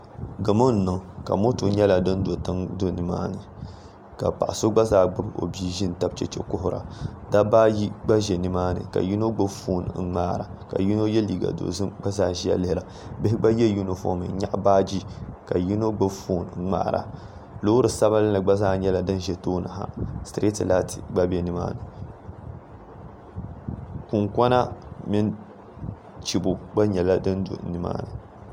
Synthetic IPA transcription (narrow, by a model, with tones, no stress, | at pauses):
ɡɨ˨mo˦n̩˨nɨ˨ŋka̰˨mo˦tu˨ɲɛ˦la˨dɨ˦n˦do˨tɨ˦ŋdo˦nɨ˨ma̰ː˦nɨ˨ | ka̰˨pa̰˨ʔa˨so˦ɡ͡ba˦zaː˦˨ɡ͡bɨ˦bo̰˨bi˦ʒi˦n˨ta˦b̚t͡ʃɛ˦t͡ʃɛ̰˦kʊ˦ɦʊ˨ɾa̰˨da˦baː˦ji˦ɡ͡ba˦ʒɛ˨nɨ˨maː˦nɨ̰˨ka̰˨ji˦no˦ɡ͡bɨ˦fuː˦n̰̩˨˦ŋ͡maː˦ɾa˨ka̰˨ji˦no˦jɛ˦li˨ɡa̰˨do̰˨zɨ˦ɡ͡ba˦zaː˦ʒi˦ja̰˨lɪ˦hɪ˦˨ɾa˨ | bɪ˦hɪ˦ɡ͡ba˦jɛ˦ju˦no˨fo̰˨˦˨mɨ̰˨˦ɲa̰˦ʔbaː˦d͡ʒi˦ka˨ji˦no˦ɡ͡ba˦fuː˦n̩˨˦ŋ͡ma̰ː˦˨ɾa̰˨ | lo˦ɾɨ˨sa˦ba˦lɨ˦nɨ˨ɡ͡ba˦zaː˦ɲɛ˦la˨dɨ˦n˦ʒɛ˦toː˦nɨ̰˨ɦa̰˨stɾe˦tla˦tḭ˨ɡ͡ba˦bɛ˨nɨ˦ma̰ː˦nɨ˨ | ku˨ŋkʷɔ˦na˦mɪ˦n | t͡ʃi˨bu˨ɡ͡ba˦ɲɛ˨la˦dɨ˦n˦dṵ˨˦nɨ˨ma̰ː˦nɨ˨